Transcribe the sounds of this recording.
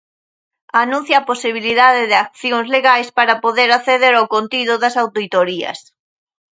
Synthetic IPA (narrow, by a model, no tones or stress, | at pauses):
anũn̟θjaposiβ̞iliðaðɪðɪak̚θjoŋzleɣajspaɾapoðeɾaθeðeɾawkont̪iðʊðɐsawt̪oit̪oɾiɐ̰s